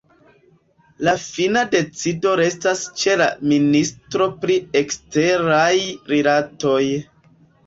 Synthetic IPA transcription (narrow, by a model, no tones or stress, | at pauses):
lafinade̞t͡sido̞ɾe̞stast͡ʃe̞la̰ministɾo̞pɾie̞kste̞ɾajɾilato̞j